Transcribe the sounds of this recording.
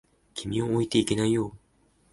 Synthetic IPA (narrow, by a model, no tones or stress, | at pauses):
kʲimʲiooit̪e̞ikʲe̞naijo̞ː